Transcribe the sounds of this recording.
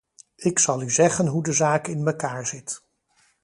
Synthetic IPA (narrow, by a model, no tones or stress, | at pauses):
ɪksɑlˠyzɛχənɦudəzaːkɪnməkaːɹzɪt